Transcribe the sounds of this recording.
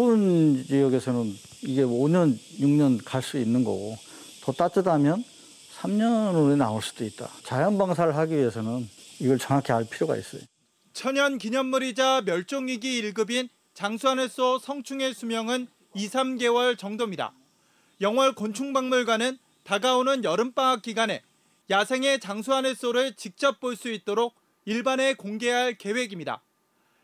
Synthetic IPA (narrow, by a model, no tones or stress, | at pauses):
unt͡ɕijʌɡe̞sʰʌnɯn | iɡe̞oɲʌnjuŋɲʌnkaɭs͈uinːɯnɡʌ̰ɡo | tʌt͈at͡ɕ͈ɯdamjʌn | sʰamɲʌnoenaoɭs͈u̥d̥oit̚t͈a̰t͡ɕajʌnbaŋs̬ʰaɾɯɭɦaɡiɥie̞sʰʌnɯniɡʌɭt͡ɕʌŋɦakʰeaɭpʰiɾjoɡa̰ḭs͈ʌjo | t͡ɕʰʌɲʌnkiɲʌnːuɾid͡ʑamjʌɭt͡ɕ͈oŋiɡiiɭɡɯbin | t͡ɕaŋsʰuanes͈osʰʌŋt͡ɕʰuŋe̞sʰumjʌŋɯn | isʰamɡe̞wʌɭt͡ɕʌŋdomɲida̰ | jʌŋwʌɭkont͡ɕʰuŋbaŋmuɭɡwanɯn | taɡaonɯnjʌɾɯmp͈aŋak̚k͈iɡane̞ | jasʰe̞ŋe̞t͡ɕaŋsʰuɦanes͈oɾɯɭt͡ɕik̚t͡ɕ͈ʌp̚p͈oɭs͈uit̚t͈oɾoɡ̚ | iɭbane̞koŋɡe̞ɦaɭke̞we̞ɡimɲida̰